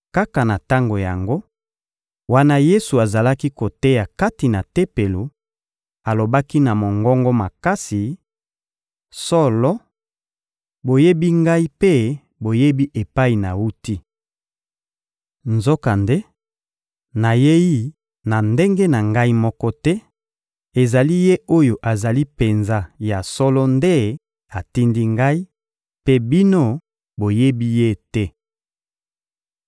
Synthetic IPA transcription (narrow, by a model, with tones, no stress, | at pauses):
ka˦ka˨na˨ta˦ŋɡo˨ja̰˨ŋɡo˦ | wa˦na˦je˦su˨a˨za˨la˦ki˦ko˨te˦ja˨ka˦ti˨na˨te˦pe˨lo˨ | a˨lo˨ba˦ki˦na˨mo˨ŋɡɔ˦ŋɡɔ˦ma˨ka˦si˨ | sɔ˦lɔ˦ | bo˨je˦bi˦ŋɡa˦i˦pe˦ | bo˨je˦bi˦ʔe˨pa˦i˨na˨wu˦ti˦ | nzo˦ka˨nde˦ | na˨je˦i˦ | na˨nde˦ŋɡe˦na˨ŋɡa˦i˦mɔ˦kɔ˦tɛ˦ | e˨za˨li˦je˦o˦jo˨ʔa˨za˨li˦pe˨nza˦ja˨sɔ˦lɔ˦nde˦ | a˨ti˦ndi˦ŋɡa˦i˦ | pe˦bi˦no˦ | bo˨je˦bi˦je˦tɛ˦